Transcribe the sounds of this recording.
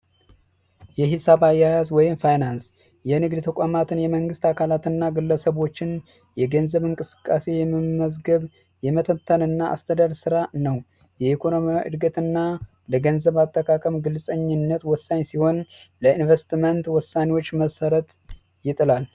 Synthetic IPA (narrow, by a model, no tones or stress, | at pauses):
jɛɦɪsaβajːajas̬wɔjɪmfajnans | jɛnɨɡd̪t̪ʰəkʷʼamat̪ʰɨnjɛməŋɡɨst̪ʰakʰalat̪ɨnːaɡɨlːəsəβo̞t͡ʃːɪn | jɛɡənzəβɨŋkʼɨsɨ̥kʼːase̞jɛmːɨmːəzɡəβ | jɛmət̪ʰət̪ʰːənɨnːaʔa̰st̪ʰəd̪aɾsɨɾanəw | jɛikʰo̞no̞miaʔɨ̰d̪ɡət̪ɨnːa | ləɡənzəβat̪ʼːəkʰakʼəmɡɨlsʼəɲːɪnːət̪wɔsːaɲːsiho̞n | ləinvest̪mənt̪wɔsːanewo̞t͡ʃːməsəɾət̪ | jɪt̪ʼɨlal